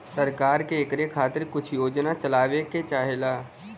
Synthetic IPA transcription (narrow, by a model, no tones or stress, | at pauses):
səɾkaːɾkeːkɾekʰaːt̪ɪɾkʊt͡ʃʰjoːd͡ʒnat͡ʃɐlaːʋeket͡ʃaːɦeːlaː